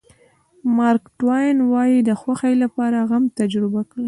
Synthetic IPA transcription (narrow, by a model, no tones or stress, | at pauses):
mɑɾkʈwajnwɑjid̪əxwaxajlapɑɾaɣamt̪ad͡ʒɾɪbakɽi